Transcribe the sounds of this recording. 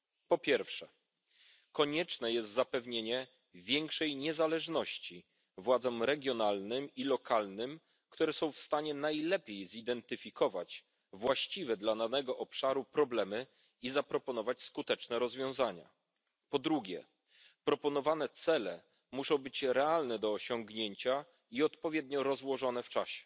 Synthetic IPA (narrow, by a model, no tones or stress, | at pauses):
pɔpʲjɛɾfʂɛ | kɔɲɛt͡ʂnɛjɛst̪zapɛvɲeɲɛ | vʲjɛŋkʂɛjɲɛzalɛʐnɔɕt͡ɕi | vwad̪zɔmɾɛɡʲjɔnalnɘmilɔkʰalnɘm | kt̪uɾɛsɔ̃w̃fst̪aɲɛnajlɛpʲjejzid̪ɛnt̪ɘfʲikɔvat͡ɕ | vwaɕt͡ɕivɛd̪lananɛɡɔʔɔpʂaɾupɾɔblɛmɘ | izapɾɔpɔnɔvat͡ɕskut̪ɛt͡ʂnɛɾɔzvʲjɔ̃w̃zaɲa̰ | pɔd̪ɾuɡʲjɛ̰ | pɾɔpɔnɔvan̪ɛt̪sɛlɛ | muʂɔ̃w̃bɘt͡ɕɾɛalnɛd̪ɔːɕɔŋɡɲeɲt͡ɕa | iɔt̪pɔvʲjɛd̪ɲɔɾɔzwɔʐɔnɛft͡ʂaɕɛ̥